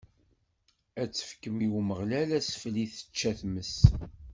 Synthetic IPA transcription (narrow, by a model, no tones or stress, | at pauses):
æt͡sːə̥fkəmiwuməʁlælæsfliθə̥t͡ʃːæθməs